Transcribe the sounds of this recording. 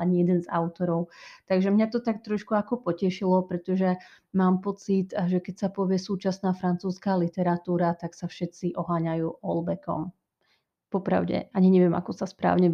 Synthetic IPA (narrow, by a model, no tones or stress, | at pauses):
aɲijɛd̪ɛnza̰ʊt̪ɔɾɔʊt̪aɡʒɛmɲat̪ɔt̪akt̪ɾɔʃkuakɔpɔcɛʃilɔpɾɛt̪ɔʒɛ | maːmpɔt͡sit̪ʒɛkɛcsapɔʋɪɛsuːt͡ʃasnaːfɾant͡suːskaːlit̪ɛɾat̪uːɾat̪aksafʃɛt̪t͡siʔɔɦaːɲajuːʔɔlbɛkɔ̰m | pɔpɾa̰ʊɟɛ̰aɲiɲɛʋɪɛma̰kɔsaspɾa̰ːʊɲɛ